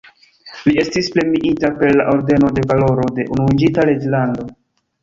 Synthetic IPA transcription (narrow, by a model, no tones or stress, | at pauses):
lie̞stisple̞miʔitape̞ɾlaʔoɾde̞no̞de̞valo̞ɾo̞de̞ʔunuund͡ʒitaled͡ʒlando̞